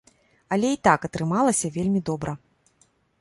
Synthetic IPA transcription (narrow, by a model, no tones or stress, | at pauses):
ɐlʲɛit̪akɐt̪ɾɨmalˠɐsʲɐvʲelʲmʲid̪ɔbɾɐ